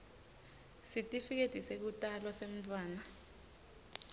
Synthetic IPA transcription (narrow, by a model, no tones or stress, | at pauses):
sitʼifik̬ed̥ʱisek̬utʼalwasem̩tʼwaːna